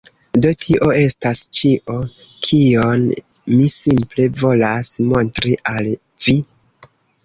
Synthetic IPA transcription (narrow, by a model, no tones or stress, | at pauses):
do̞tʰiʔo̞e̞stast͡ʃiʔo̞kʰionmisimple̞vo̞lasmo̞ntɾiʔal | vi